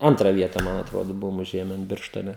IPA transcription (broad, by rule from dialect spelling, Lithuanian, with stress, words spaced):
ˈɐntrɑː ˈʋʲiɛtɑː ˈmɐn ɐtˈroːdoː ˈbʊʋoːm ʊˈʒʲeːmʲɛn ˈbʲɪrʃtoːnʲɛ